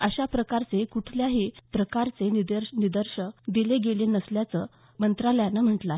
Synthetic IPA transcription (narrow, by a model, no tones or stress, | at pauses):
əɕapɾəkaɾt͡sekuʈ̪ʰljaɦiːpɾəkaɾt͡senid̪əɾnid̪əɾɕəd̪ileɡelenəsljat͡sə | mənt̪ɾaləjanəm̤əʈla